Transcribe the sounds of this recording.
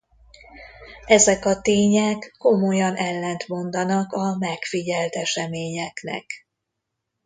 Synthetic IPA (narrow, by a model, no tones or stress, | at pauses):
ɛzɛkɒt̪eːɲɛkːo̞mojɒnʔɛlːɛnt̪mo̞nd̪ɒnɒkɒmɛkfiɟɛlt̪ɛʃɛmeːɲɛknɛ̰k